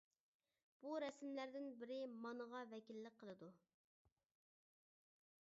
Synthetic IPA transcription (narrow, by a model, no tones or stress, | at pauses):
b̥uɾɛsmlæɾd̪ɪnbɪɾɪmɑnəʁɑvɛkʲilːɪk̚ʲqʰːəlˠɨd̪u